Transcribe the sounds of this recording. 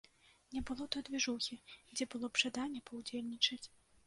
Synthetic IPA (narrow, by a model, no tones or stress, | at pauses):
nʲɛbɨlˠɔt̪ɔd̪vʲɛʐuxʲid͡zʲɛbɨlˠɔpʐ̥ad̪anʲːɛpɐwd͡zʲelʲnʲit͡ʂɐt͡sʲ